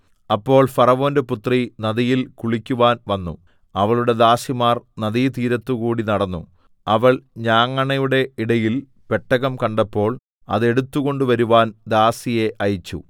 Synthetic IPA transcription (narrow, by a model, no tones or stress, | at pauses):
ɐpːo̞ːɭfɐrɐʋo̞ːnde̞put̪rinɐðijilkuɭikʲːuʋaːnʋɐnːṵ | ɐʋɐɭuɽe̞d̪aːsimaːrnɐðijt̪iːɾɐt̪ːukuːɽinɐɽɐnːṵ | ɐʋɐɭɲaːŋːɐɳɐjuɽe̞iɽɐjil | pe̞ʈːɐɣɐmkɐɳɖɐpːo̞ːɭ | ɐ̰ðe̞ɽut̪ːuɣo̞ɳɖuʋɐɾuʋaːnd̪aːsije̞ʔɐjit͡ɕːṵ